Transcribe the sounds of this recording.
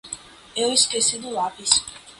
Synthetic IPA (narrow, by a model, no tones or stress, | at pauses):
ɛwiskʼɛsid̪ulapʼis